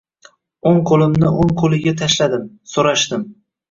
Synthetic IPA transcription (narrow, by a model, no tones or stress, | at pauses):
oŋqʰolˠɪmnɪʔoŋqʰolˠɪɡʲat̪ʰaʃlad̪ɪm | soɾaʃt̪ɪm